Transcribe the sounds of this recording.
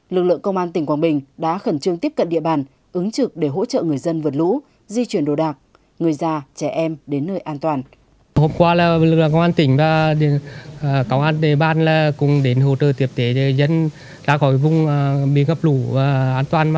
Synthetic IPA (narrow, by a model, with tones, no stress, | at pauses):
lɨ˨˩k̚lɨ̰˧˨əŋkə˧wŋ͡mʔaː˧nt̪ï˨˩ŋ̟kwaː˧˩ɓï˨˩ŋ̟ɗa̰ː˧˥xə˧˩nt͡ɕɨ˧əŋt̪i˦˥əp̚kə˧˨nɗḭ˧˨əɓaː˨˩n | ʔɨ˨˦ŋt͡ɕɨ˨˩k̚ɗe˧˩ɦo̰˧˥t͡ɕə̰ː˧˨ŋɨ˨˩əjzə˧nvɨ˨˩t̚lṵ˧˥ | zi˧t͡ɕwi˧˩ənɗo˨˩ɗaː˨˩k̚ | ŋɨ˨˩əjzaː˧˩t͡ɕɛ˧˩ʔɛ˧mɗe˨˦nːəː˧jʔaː˧nt̪waː˨˩n | ho˧mkwaː˧laː˨˩lɨ˨˩klɨ̰˧˨ŋkə˧wŋ͡maː˧nt̪ï˧˩ŋ̟vaː˨˩ɗ | kə˧wŋ͡mʔaː˧nɗe˧˨əɓaː˧˨nlaː˨˩kʊ̰˧˩ŋ͡mɗe˨˦nɦo˧˩t̪əː˧˩t̪i˨˩əp̚t̪e˨˦e˨zə˧n | za̰ː˧˥xɔ˨˦jvʊ˧˨ŋ͡mɓḭ˨˧˦ŋhə˨˩p̚lu˧˩vaː˨˩ʔaː˧nt̪waː˨˩n˧˨